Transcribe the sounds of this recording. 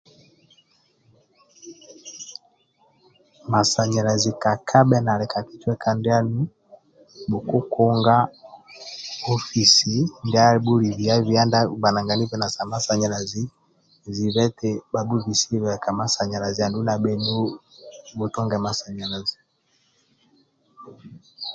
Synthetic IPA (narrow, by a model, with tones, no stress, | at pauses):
ma˨sa˨ɲɛ˨ɾa˨zi˨ka˨kʰa˦bɛ˦na˨lɛ˨ka˨ki˦t͡ʃwɛ˦kʰa˦ndɛ˦a˦nu˦ | bu˨ku˦ku˦ŋɡa˦ | ɔ˦fi˨si˨ndɛ˦a˦bu˦li˨vi˨a˦vi˨a˦nda˦ba˨na˨ŋɡa˨ni˦vɛ˦na˨sa˨ma˨sa˨ɲɛ˨ɾa˨zi˦ | zi˨βɛ˦tɛ˦ba˨du˦βi˨si˦βɛ˨ka˨ma˨sa˨ɲa˨ɾa˨zi˨a˨ndu˦na˨bɛ˨nu˦ | bu˨tɔ˦ŋɡɛ˨ma˨sa˨ɲɛ˨ɾa˨zi˨